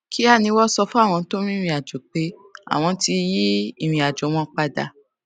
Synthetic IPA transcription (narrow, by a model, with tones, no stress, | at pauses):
kʰi˦a˦˨nĩ˧˦wɔ˦sɔ˧fu˦a˦˨w̃ɔ̃˧to˦ɾ̃ĩ˦˧ĩ˧˨a˨d͡ʒo˨k͡pe˨˦a̰˨w̃ɔ̃˧ti˧ji˦i˦˨ɾ̃ĩ˨a˨d͡ʒɔ˨˦m̃ɔ̃˦k͡pa˧da̰˧